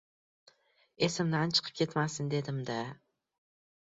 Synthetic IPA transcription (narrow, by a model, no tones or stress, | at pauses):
e̞sɪmd̪ant͡ʃʰɨ̥qʰɨ̥p̚kʲʰe̞t̪masɪnd̪e̞d̪ɪmd̪a